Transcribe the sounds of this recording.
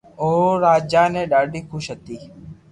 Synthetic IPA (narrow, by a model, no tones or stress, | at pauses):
oːɾaːd͡ʒãːnẽːɗaːɖiːkʰʊʃɦət̪iː